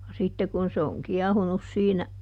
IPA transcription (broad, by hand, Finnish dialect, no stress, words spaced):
jɑ sitːe kun se oŋ kiɛhunus siːnæ